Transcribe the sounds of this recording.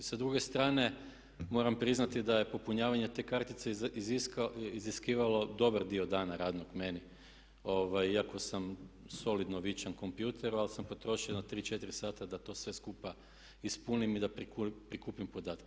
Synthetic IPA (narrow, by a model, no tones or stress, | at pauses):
sad̪ɾuɡe̞st̪ɾaːne̞ | mo̞ːɾampɾiznat̪id̪aje̞po̞puɲaːʋaɲe̞t̪e̞ːkaɾt̪it̪seizikiziskiːʋalo̞d̪o̞baɾd̪iod̪aːnaɾaːd̪noɡme̞ni | o̞ːʋajiako̞samso̞lid̪noʋit͡ʃanko̞mpjuːt̪ʰe̞ɾualsampo̞t̪ɾo̞ʃionat̪ɾiːt͡ʃe̞t̪iɾisaːt̪ad̪at̪o̞ːsʋe̞skupa | ispunimid̪akpɾikuːpimpo̞d̪aːt̪ke